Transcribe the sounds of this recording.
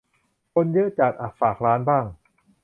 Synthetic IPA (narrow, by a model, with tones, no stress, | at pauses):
kʰo˧njɤ˦˥t͡ɕaː˨˩t̪̚ʔaː˨˩k̚faː˨˩k̚ɾaː˦˥nbaː˥˩ŋ